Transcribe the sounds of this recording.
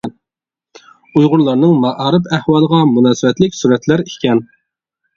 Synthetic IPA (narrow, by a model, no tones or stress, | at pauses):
ujʁʊɾlˠɑɾnɨŋmɑʔɑːɾɨpæhwɑlˠəʁɑmunɑːsɨbɛt̪lɪkʲsuɾɛt̪læɾikʲʰɛn